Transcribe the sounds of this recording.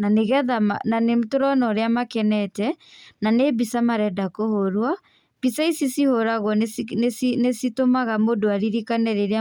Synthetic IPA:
naneɣɛðama̰nanemtoɾɔnɔɾeamakɛnɛtɛnanebisamaɾɛdakohoɾwa | b̥isaisisihoɾaɣɔnesinesitomaɣamodoaɾiɾikanɛɾeɾea

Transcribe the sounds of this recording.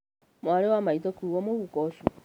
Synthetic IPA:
mwaɾewamaitɔkuwɔmoɣukɔʃu

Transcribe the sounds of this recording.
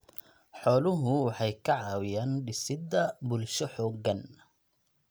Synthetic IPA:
ħɔːlʊɦʊwɑħɑjkʰɐʕɑːwɪjaːnɖɪsɪd̪ɐbʊlʃɔħɔːɡɐn

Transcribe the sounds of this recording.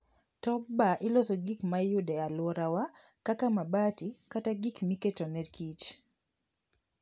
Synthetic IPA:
tɔbaʔɪlosɔɡikmajʊdɛalwɔɾawa | kakamabatikataɡikmiketonɛdkʰit͡ʃ

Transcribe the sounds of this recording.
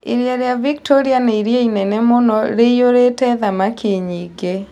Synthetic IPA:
iɾjaɾjaviktoɾianɛiɾjeinɛnɛmonɔɾeioɾetɛðamakeɲiɡe

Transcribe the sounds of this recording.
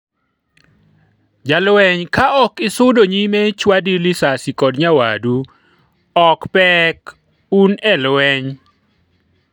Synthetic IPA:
d͡ʒalwɛɲkaɔkɪsʊdoɲimɛt͡ʃwadilɪsasikɔdɲawa̰du | ɔkpɛk | unɛlwɛɲ

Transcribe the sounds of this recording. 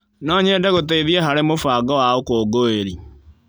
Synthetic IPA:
nɔːɲeːdɛɣoteiðjeɦaɾemofaːɡɔwaokoːɡoeɾi

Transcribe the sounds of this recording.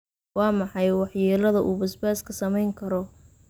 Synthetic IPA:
wɑːmɑħɑjwɑħjɛːlɐðɐʔuːbɐsbaːskʰɐsɐmɛjŋkʰɐɾɔ

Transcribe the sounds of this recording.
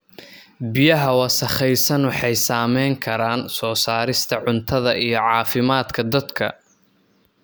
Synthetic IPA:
bɪjɐɦɐwɑsɐχɛjsɐnwɑħɑjsaːmɛjŋkʰɐɾaːnsɔːsaːɾɪst̪ʰɐʕʊnt̪ʰɐðɐʔijɞʕɑːfɪmaːd̪kʰɐd̪ɐd̪kʰɐ̰

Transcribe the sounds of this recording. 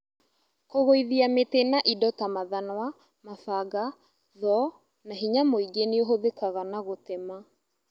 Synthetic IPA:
koɣoiðiametenaʔidɔtamaðanwa | mafaɡa | ðɔ | naɦiɲamoiɡeneoɦoðekaɣanaɣotema

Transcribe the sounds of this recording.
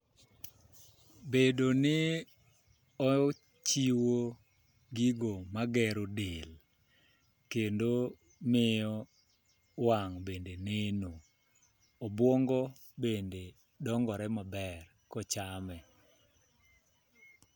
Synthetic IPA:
bedonɪ | ɔ | t͡ʃiwo | ɡiɡomaɡɛɾodel | kendo | mɪjɔ | waŋbendeneno | ɔbwɔŋɡɔ | bende | dɔŋɡɔɾɛmabɛr | kɔt͡ʃamɛ

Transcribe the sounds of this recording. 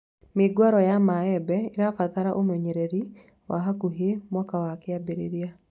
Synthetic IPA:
meɡwaɾɔjamaɛbɛiɾafaðaɾaʔomɛɲɛɾɛɾi | wʔaɦakuɦemwakawakeabeɾeɾia

